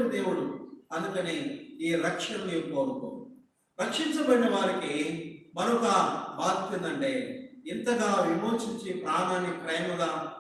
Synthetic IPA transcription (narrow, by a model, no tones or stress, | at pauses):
d̪eːwuɽuɐnd̪ukɐniːɾɐkʂɐmniːpoːɡuk̪o̰m | ɾɐkʂiɲt͡ʃɐbɐɽinɐʋaːɾikemɐɾɔɡaːbaːd̪ʱit̪ɐnd̪ɐɳʈeːint̪ɐɡaːʋimoːt͡ʃiɲt͡ʃipɾaːɳaːnːikɾɐjmɐɡa